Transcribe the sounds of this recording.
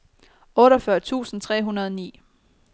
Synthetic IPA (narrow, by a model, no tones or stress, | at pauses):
ɔ̽ːɾɒfɶɐt͡sʰṵːsn̩t͡sʰʁɛ̰ːɦunɐð̞ˠnḭː